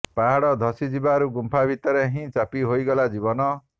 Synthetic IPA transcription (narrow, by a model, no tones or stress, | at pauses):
paɦaɽɔd̪ʱɔsid͡ʒibaɾuɡumpʰabit̪ɔɾeɦĩt͡ʃapiɦojɡɔlad͡ʒibɔnɔ